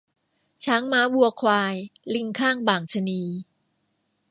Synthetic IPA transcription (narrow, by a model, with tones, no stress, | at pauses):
t͡ɕʰaː˦˥ŋmaː˦˥bu˧ɐkʰwaː˧jli˧ŋkʰaː˥˩ŋbaː˨˩ŋt͡ɕʰa˧niː˧